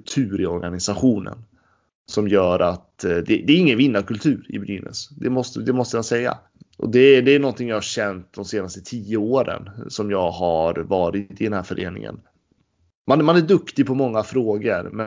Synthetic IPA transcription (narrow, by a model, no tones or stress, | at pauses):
t̪ʰʉ̟ːɾɪɔɾɡanɪsaɧuːnə̰n | sɔmjœːɾʔat̪d̪ɛd̪ɛːɾɪŋːənvɪnːaɾkʰɵlt̪ʰʉ̟ːɾɪ̰bɾy̰ːnə̰sd̪ɛmɔst̪d̪ɛmɔst̪əmansɛjːa̰ | ʔɔ̰d̪ɛd̪ɛæɳɔnt̪ɪŋjɑhaɾɕɛnt̪̚d̪ɔmseːnast̪ət̪ʰiːəoːɾə̰nsɔmjɑːɡhaɾvɑːɾɪt̪ɪd̪ɛnhæːɾfœɾʔḛːnɪ̰ŋə̰n | manmanæɖɵkt̪ɪɡpʰɔmɔŋːafɾoːɡəɾmɛ